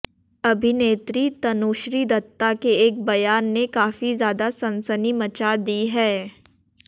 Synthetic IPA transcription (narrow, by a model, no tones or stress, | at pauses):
ɐbʱineːt̪ɾit̪ɐnoːʃɾid̪ɐt̪ːakeeːk̚bɐjaːnːekaːfizjaːd̪asɐ̃nsənimɐt͡ʃad̪iɦɛː